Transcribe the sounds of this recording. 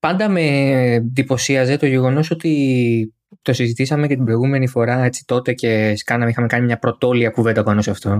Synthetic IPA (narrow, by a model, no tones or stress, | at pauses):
pɐnd̪ɐme̞ðipo̞siɐze̞t̪o̞ʝe̞ɣo̞no̞so̞t̪i | t̪o̞sizit̪isɐme̞cɐt̪ibɾo̞iɣume̞nifo̞ɾɐe̞t͡si̥t̪o̞t̪e̞ce̞skɐnɐmixɐme̞kɐnimɲɐpɾo̞t̪o̞liɐkuvend̪ɐopɐnosɐft̪o̞